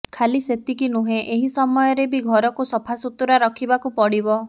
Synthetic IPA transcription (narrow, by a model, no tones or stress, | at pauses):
kʰaliset̪ikinuɦẽʔeɦisɔmɔjɔɾebiɡʱɔɾɔkusɔpʰasut̪uɾaɾɔkʰibakupɔɽibɔ